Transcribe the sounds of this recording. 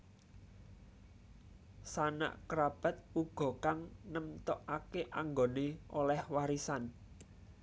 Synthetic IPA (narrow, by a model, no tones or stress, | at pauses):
sana̰ʔkəɾab̥a̤t̪̚uɡ̥ɔ̤kaŋnəmt̪ɔʔakeʔaŋɡoneolɛhwaɾisan